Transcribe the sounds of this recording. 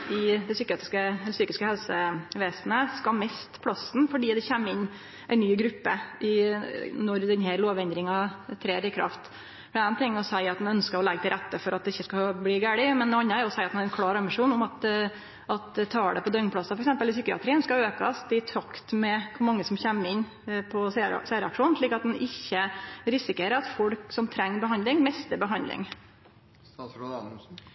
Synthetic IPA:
ɪd̪ɛsyːkːəɑːt̪ɾɪskəɛlsyːkɪskəhɛlsəʋeːsnəskɑmɛst̪pʰlɑsn̩fɔɖiːd̪ɛçæmːɪnː | ʔæɪnyːɡɾʉpːə̰ʔɪnɔɾd̪ɛnhæɾloːʋɛnd̪ɾɪŋɑt̪ʰɾeːɾɪkʰɾɑ̰ft̪ | fɔɪæɪnt̪ʰɪŋːɔsæɪɑt̪̚d̪ɛnœnskəɾɔlɛɡət̪ʰɪlɾæt̪ːəfɔɾʔɑt̪̚d̪ɛɪçːəskɑbliːɡæːɽɪmɛnːoːɑnːəæɾʊɔsæɪɑt̪næɾɛnkʰlɑːɾɑmɪʂuːnʊmɑt̪ | ʔɑt̪t̪ʰɑːɖɛpɔd̪œŋpʰlɑsɑfɔɾɛksɛmpəlɪsʏkːəɑ̰t̪ʰɾiənskɑøːkɑ̰sd̪ɪt̪ʰɾɑkt̪mɛkʰʊɾmɑŋːəsɔmçæmːɪnː | pʰɔssæːɾəɑ̰kʂuːnnʂɭiːkːɑt̪̚d̪ɛnɪçːəɾɪsɪkeːɾəɾɑt̪fɔlksɔmt̪ʰɾɛŋːbəɦɑnd̪lɪŋmɛst̪əbəɦɑnd̪lɪ̰ŋ

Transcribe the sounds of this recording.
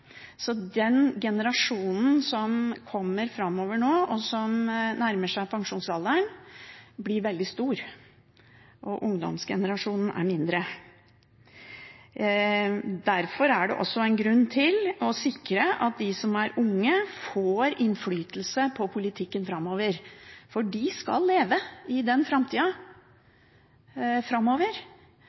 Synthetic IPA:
sɔd̪ɛnɡɛnəɾɑʂuːnn̩sɔmkʰɔmːəɾfɾɑmːoːʋəɳoːʔɔsɔmnæɾməʂæɪpʰɑŋʂuːnsɑld̪əɳ | blɪɾʋɛld̪ɪst̪uːɾ | ʔɔʔʊŋd̪ɔ̰msɡɛ̰nəɾɑʂuːnn̩æ̰ɾmɪnd̪ɾə | d̪æɾfɔɾæɖɛ̰ʔɔsːɔæɪnɡɾʉnːt̪ʰɪlɔsɪkɾəʔɑt̪̚d̪ɪsɔmæɾʊŋːəfoːɾɪnflyːt̪əlsəpʰɔpʰʊlɪt̪ʰɪkːənfɾɑmːoːʋəɾfɔɖɪskɑ̰lːeːʋəɪd̪ɛnfɾɑmt̪ʰiːɑ | fɾɑmːoːʋəɾ

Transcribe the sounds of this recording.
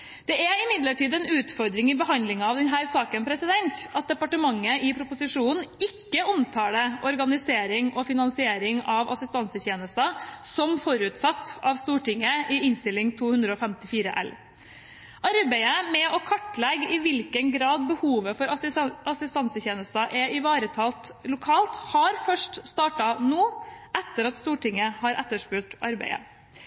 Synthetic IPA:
d̪̥ɛæɪmɪd̪ləʈiːd̪ɛnʉːt̪fɔɾd̪ɾɪŋɪbəɦɑnd̪lɪŋɑɑʋd̪ɛnɦæːɾsɑːkənpʰɾɛsɪd̪ɛnt̪ɑt̪̚d̪ɛpɑʈəmɑŋːəɪpʰɾʊpʊsɪʂuːnn̩ɪkːəɔmt̪ʰɑːɽəʔɔɾɡɑnɪseːɾɪŋɔfɪnɑnsɪeːɾɪŋɑʋɑ̰sɪst̪ɑnsəçeːnəst̪ɑsɔmfɔɾʉːt̪sɑt̪ːɑʋst̪uːʈɪŋːəʔɪɪnst̪ɪlːɪŋt̪ʰuːhʉnd̪ɾəɔːfɛmt̪ɪfiːɾə̰ʔɛ̰l | ʔɑɾbæɪəmɛɔkʰɑʈlɛɡɪʋɪlkənɡɾɑːd̪̚bəhuːʋəfɔɾɑsɪst̪ɑnsəçeːnəst̪ɑʔɛɪʋɑːɾət̪ʰɑːlt̪lʊkʰɑːlt̪hɑɾfœʂʈst̪ɑːʈɑnuːʔɛt̪ːəɾɑt̪st̪uːʈɪŋːəhɑɾʔɛt̪ːəʂpʉːʈʔɑ̰ɾbæ̰ɪə̰

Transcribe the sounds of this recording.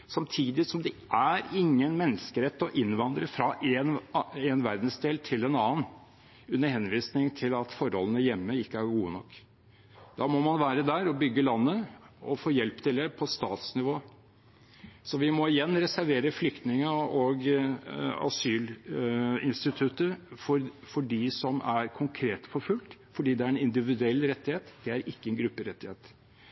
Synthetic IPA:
sɑmt̪ʰiːd̪ɪsɔmd̪ɛʔæɾɪŋːənmɛnːəskəɾɛt̪ːɔʔɪnːʋɑnd̪ɾəfɾɑʔɛnɛnʋæɾd̪n̩sd̪eːlt̪ʰɪlɛnɑːən | ʉnːəhɛnʋiːsnɪŋt̪ʰɪlɑt̪fɔɾhɔ̰lːənəjɛmːəɪkːəæɾɡuːənɔkː | d̪̥ɑːmɔmɑnʋæːɾəd̪æɾɔbʏɡːəlɑnːəɔfoːjɛlpt̪ʰɪld̪ɛpʰɔst̪ɑːt̪snɪʋoː | sɔʋɪmɔɪjɛnːɾɛsæɾʋeːɾəflʏkt̪nɪŋəɔɡ | ɑ̰syːl | ɪ̰nst̪ɪt̪ʰʉt̪əfɔɾ | fɔɖisɔmæɾkʰʊŋkʰɾeːt̪fɔɾfʉlt̪fɔɖiːd̪ɛæɾɛnɪnd̪ɪʋɪd̪ʉɛlːɾɛt̪ːɪheːt̪d̪̥ɛæɾɪkːəɛnɡɾʉpːəɾɛt̪ːɪheːt̪

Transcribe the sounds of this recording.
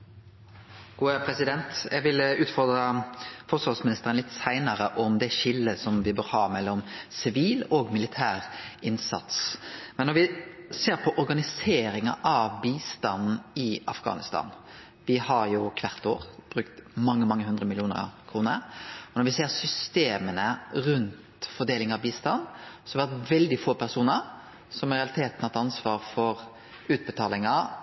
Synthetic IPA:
ɡ̥uːəpʰɾɛsɪd̪ɛnt̪jɛɡʋɪlʉːt̪fɔɾd̪ʁəfɔsɑsmɪnɪst̪əʁənlɪt̪ːsæɪnəɾəʔɔmd̪ɛʃɪlːəsɔmʋɪbøːɾhɑːmɛlːɔmsɪʋiːlɔɡmɪlɪt̪ʰæːʁɪnsɑ̰t̪smɛnːɔɾʋɪseːɾpʰɔʔɔɾɡɑnɪseːɾɪŋɑ̰ʔɑʋbiːst̪ɑnn̩ɪʔɑfɡɑ̰ːnɪst̪ɑ̰ːn | ʋɪhɑɾjʊkʰʋæʁt̪oːʁb̥ɾʉkt̪mɑŋːəmɑŋːəɦʉnd̪ɾəmɪlɪuːnə̰kʰɾuːnə̰ɾɔnɔɾʋɪseːɾsʏst̪eːmənəɾʉnt̪fɔɾd̪eːlɪŋɑʋbiːst̪ɑnːsɔhɑʋɛɾt̪ʋɛld̪ɪfoːpʰæʁsuːnəɾ | sɔmɪɾɛɑlɪt̪ʰeːt̪nɑt̪ɑnsʋɑːɾfɔɾ | ʉːt̪̚bət̪ʰɑːlɪŋɑ

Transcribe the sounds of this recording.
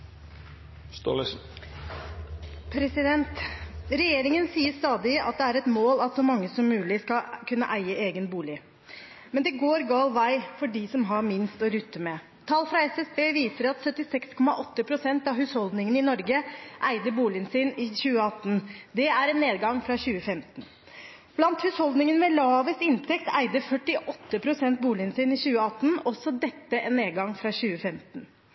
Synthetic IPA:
st̪o̰l | pʰɾɛsɪd̪ɛnt̪ɾɛjeːɾɪŋənsiːəst̪ɑːd̪ɪɑ̰t̪̚d̪ɛæɾɛt̪moːlɑt̪sɔmɑŋːəsɔmːʉːlɪskɑkʰʉnːə̰ʔæɪəeːɡənbuːlɪ | mɛnd̪ɛɡoːɾɡɑːlʋæɪfɔɖisɔmɦɑɾmɪnst̪ɔɾʉt̪ːəmɛ | t̪ʰɑlfɾɑɛsɛsbeːʋiːsəɾɑt̪sœt̪ːɪsɛkskʰɔmɑʔɔt̪ːəpʰɾʊsɛnt̪ɑɦhʉshɔld̪nɪŋənɪnɔɾɡəʔæɪd̪əɾbuːlɪənsɪnɪɕʉːəɑt̪ːn̩d̪ɛæɾɛnːeːd̪ɡɑŋfɾɑɕʉːəfɛmt̪n̩ | b̥lɑnt̪hʉshɔld̪nɪŋənmɛlɑːʋəsɪnt̪ʰɛkt̪ʰæɪd̪əfœʈːɪʔɔt̪ːəpʰɾʊsɛnt̪̚buːlɪənsɪnɪçʉːəɑt̪ːn̩ɔsːɔd̪ɛt̪ːəʔɛnːeːd̪ɡɑŋfɾɑɕʉːəfɛmt̪n̩

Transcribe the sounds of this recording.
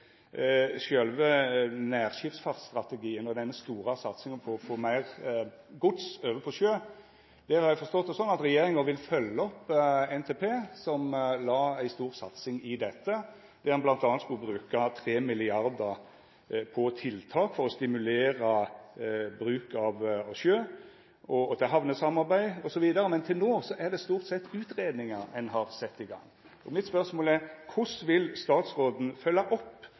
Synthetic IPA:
ʃœlʋənæːʁʃɪft̪sfɑt̪st̪ʁɑt̪ɛɡiːənɔd̪ɛnəst̪uːɾɑsɑt̪sɪŋəpʰɔfoːmæɪʁɡʊt̪søːʋəpʰɔʃøː | d̪̥æɾhɑɾjæɪfɔst̪ɔt̪ːɔsɔnːɑt̪ɾɛjeːɾɪŋəʋɪlfœlːəɔpːɛnt̪ʰeːpʰeːsɔmlɑːæɪst̪uːɾsɑt̪sɪŋɪd̪ɛt̪ːə | d̪̥ɛhɑnblɑnt̪ɑːnt̪skʉlbɾʉːkɑt̪ʰɾeːmɪlɪɑɾd̪ə | pʰɔt̪ʰɪlt̪ʰɑːkfɔɾɔst̪ɪmʉleːɾɑ | bɾʉːkɑʋɑʋʃøː | ɔɔt̪ʰɪɦɑʋnəsɑmɑʁbæɪɔsɔʋiːd̪ɑɾəmɛnt̪ʰɪlnoːsɔʔæʁd̪ɛst̪uːʁt̪sɛt̪ːʉːt̪ɾeːd̪nɪŋɑɾɛnɦɑɾsɛt̪ːɪɡɑ̰ŋː | ɔmɪt̪spœʁsmoːlæɾkʰʊsʋɪlst̪ɑːt̪sʁoːd̪n̩fœlːɑʔɔpː

